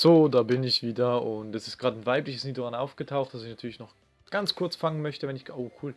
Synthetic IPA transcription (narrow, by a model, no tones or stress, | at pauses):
z̥oːdaːbɪnɪçv̥iːdɐʊntɛsɪstɡ̥ʁaːtn̩vaɪplɪçəsniːdoanʔaʊfɡ̥ətʰaʊxtd̥asɪçnatʰyːɐlɪçnɔχ | ɡ̥ant͡skʰʊɐt͡sfaŋənmœçtəvɛnɪçʔoːkʰuːl